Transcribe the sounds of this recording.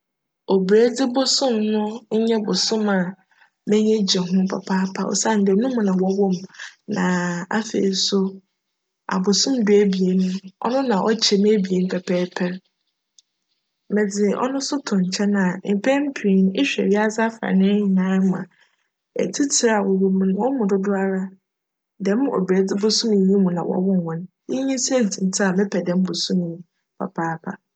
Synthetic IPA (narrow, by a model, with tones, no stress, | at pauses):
o˨bɾe˦dɪ˦bʊ˦sʊ̃˦mnʊ̃˦ɲ̩˦ɲɛ̃˦bʊ˨sʊ̃˦ma˨ | mɛ̃˦ɲɛ̃˦d͡ʑɛ˨ɦʊ̃˦pʰa̰˨pʰa˦pʰa̰˦˨wɔ̰˨sa˦˨n̩˦dɛ˨˦nũ˦m̃˨nã˨wɔ˦wɔ˦mnã˨a̰˦fḛː˨i˨sʊ˦ | a̰˨bʊ˨sʊ̃˦mdʊ˨˦æ˦bi˨e˨nʊ̃˦ɔ̰˦nʊ̃˦nã˨ʔɔ˦t͡ɕʰɛ˨m˦bi˨e˨m̩˦pʰɛ˨pʰɛː˦pʰɛ˦ɾ | mɛ̃˨d͡zɪ˨ʔɔ̰˦nʊ̃˦sʊ˦tʰʊ̃˨ɲ̩˨t͡ɕʰɛ˦nã˨m̩˨pʰɛ˦m̩˦pʰi˨i˨n˦ɪ˦ɕᶣɛ̰˨ɥɪ˦a˦sa˦fɾa̰˨nɪ̃˦ɲĩ˨nã˦mã̰˨ | ɛ̰˨tʰi˦tʰɪ˨ɾa˨wɔ˨wo˨mũ˨ñ˨wɔ˦mʊ̃˨dʊ˦dʊ˦a˦ɾa˦ | dɛ̃˨˦m˦ɔ̰˨be˨dɪ˦bʊ˨˦sũ˦m̃˨jĩ˦mũ˨nã̰˨wʔɔ̰˨wʊ̃˦n˨hɔ̃˨n˦ | i˦ɲĩ˦se˦˨d͡zʰĩ˨n˦tʰɪ˦a˨mɪ̃˦pʰɛ˨dɛ̃˦m˦bʊ˨sũ˦m˨ĩ˦ | pʰa̰˨pʰaː˦pʰa˨